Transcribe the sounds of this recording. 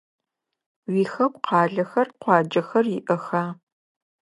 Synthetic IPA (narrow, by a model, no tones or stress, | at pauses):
wiːxɐpqɑːɮɐxɐrqʷɑːd͡ʒɐxɐrjɪʔɐxaː